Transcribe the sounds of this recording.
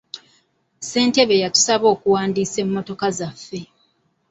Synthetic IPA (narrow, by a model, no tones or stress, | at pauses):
se̞ːnte̞βe̞jatu̥saβo̞ːkuwaːndiːse̞mːo̞to̞kazafːe̞